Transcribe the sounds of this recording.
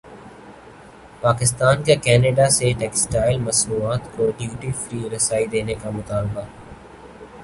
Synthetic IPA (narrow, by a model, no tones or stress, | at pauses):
paːkɪst̪aːnkekɛːneɖaseʈɛːksʈaːɪlmɐsɾuːaːt̪koɖjuːʈifɾiːɾɐsaːid̪eːnekamʊt̪aːlba